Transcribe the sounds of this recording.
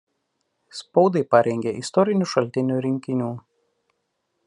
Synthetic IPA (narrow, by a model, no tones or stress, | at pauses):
spɒʊd̪ɐɪpɐɾʲɛŋʲɡʲeʔɪst̪ɔɾʲɪnʲuˑʃɐlʲt̪ʲɪnʲuːɾʲɪŋʲkʲɪnʲuː